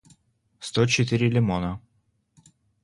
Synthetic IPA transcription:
st̪ot͡ɕɪt̪ɨɾʲɪlʲɪmonə

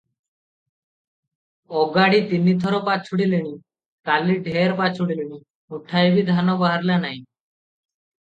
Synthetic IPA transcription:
ɔɡaɽit̪inːit̪ʰɔɾɔpat͡ʃʰuɽiliɽ̃i | kaliɖʱeɾpat͡ʃʰuɽiliɽ̃i | uʈʰajbʱid̪ʱanɔbaɦaɾlanaĩ

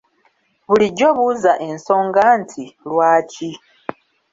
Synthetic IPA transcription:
βuliɟoβuzaʔe̞nso̞ːŋɡantʰilwaːci

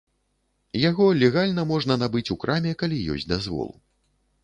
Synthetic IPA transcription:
jaɣɔlʲɛɣalʲnɐmɔʐnɐnabɨt͡sʲukɾʔamʲɛkalʲijɔ̰sʲt͡sʲd̪azvɔ̰lˠu

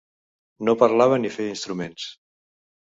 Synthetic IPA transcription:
nopəɾlaβ̞ənifeinst̪ɾumens

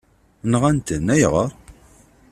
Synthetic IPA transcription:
nʁænt̪ənːæjʁəɾˤ

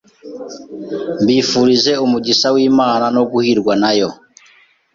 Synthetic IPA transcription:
mbifuɾizɛumud͡ʒisawimananɔkuhiɾɡwanajɔ

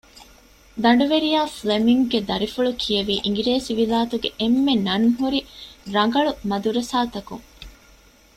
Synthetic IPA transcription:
d̪ɐɳ̆ɖuʋeɾijaːflemiŋɡɡed̪ɐɾifuɭukʰijɐʋiːʔiŋɡiɾeːsiʋilaːt̪uɡeʔemːenɐnɦuɾiɾɐŋ̆ɡɐɭumɐd̪uɾesaːt̪ɐkṵŋ

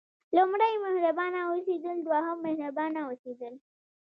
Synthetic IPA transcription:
lʊmɽajmahɾabɑnaosed̪əld̪wɑɦamːahnabɑnaosed̪əl

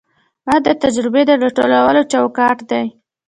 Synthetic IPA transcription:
bad̪ət̪ad͡ʒɾɪbed̪əɾaʈolawəlot͡ʃawkɑʈd̪aj

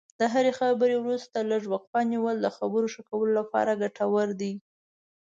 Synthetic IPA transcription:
d̪əɦaɾexabəɾewɾust̪alaʒwaq̚pɑniwəld̪əxabəɾoʃəkawəlolapɑ̰ɾaɡaʈʰawəɾd̪i

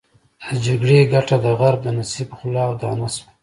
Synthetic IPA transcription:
d̪əd͡ʒaɡɽeɡaʈad̪əɣaɾb̚d̪ənasibxʊlɑwd̪ɑːnasw

